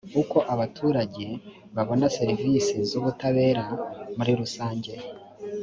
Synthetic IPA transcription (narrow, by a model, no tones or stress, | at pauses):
uko̞ʔaβatʰuːɾaɟe̞ | βaβo̞nase̞ɾivisizuβutaβe̞ːɾamuɾiɾusaːɲɟe̞